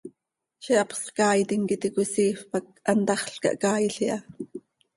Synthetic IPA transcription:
ʃiʔɑpχskɑːjt̪iŋkit̪ikusiːfpɑk̚ʔɑnt̪ɑχɬkɑ̰ʔkɑːjiɬiʔɑ

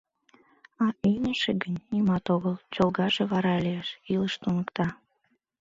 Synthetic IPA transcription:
ɑinʲəʃeɡənʲnimɑt̪oɣəlˠt͡ɕolˠɣɑʒeβɑɾɑlijeʃiləʃt̪unəkt̪ɑ

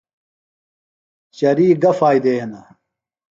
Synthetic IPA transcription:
t͡ɕɐɾiːɡɐfaːjd̪eːɐnɐ

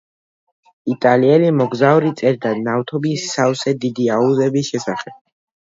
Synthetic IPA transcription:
it̪ʼaliɛlimɔɡzauɾit̪sʼɛɾd̪anaft̪ʰɔbisawsɛd̪id̪iauzɛbisʃɛsaχɛb̥̚

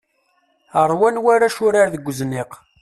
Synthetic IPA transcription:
əɾˤwænwaɾaʃʊɾaɾðəɡʷːəzniq

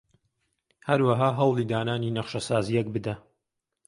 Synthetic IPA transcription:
hɐɾwɐɦaːɦɐwlˠiːd̪aːnaːninɐχʃɐsaːzijɛk̚bɨd̪ɐ

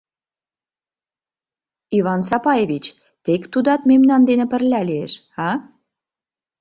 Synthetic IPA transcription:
iβɑnsɑpɑjeβʲit͡ɕ | t̪ekt̪ud̪ɑt̪memnɑnd̪enĕpə̆rlʲæliḛʃ | ɑ

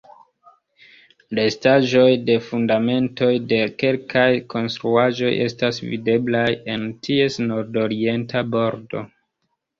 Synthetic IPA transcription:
le̞staʒo̞jde̞fundame̞nto̞jde̞ke̞lkajko̞nstɾuaʒo̞̰jʔe̞̰stasvḭde̞blaje̞ntʰie̞sno̞ɾdo̞ɾie̞ntabo̞ɾdo̞̰

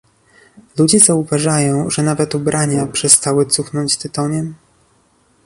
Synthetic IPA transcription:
lud͡ʑɛzauvaʐajɔ̃w̃ʐɛnavɛt̪ubɾʔaɲapʂɛst̪awɘt̪suxnɔɲd͡ʑt̪ɛt̪ɔɲɛm

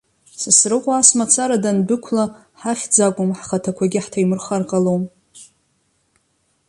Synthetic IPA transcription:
sɨsrɨqʷʼaasmat͡sʰaɾadanbɨkʷʰla | ħaχʲd͡zakʷʼʊmħχatʰakʷʰaɡʲɪħtʰaimɨrχarqʼalowm

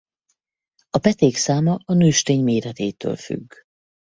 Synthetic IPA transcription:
ɒpɛt̪eːksaːmɒɒnøːʃt̪eːɲmeːɾɛt̪eːt̪ø̰ːlfy̰ɡː

